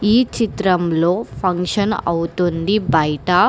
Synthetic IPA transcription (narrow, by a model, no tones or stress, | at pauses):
iːt͡ʃit̪ɾɐmloːpʰɐŋkʃɐnɐ̰wt̪ond̪ibɐjʈa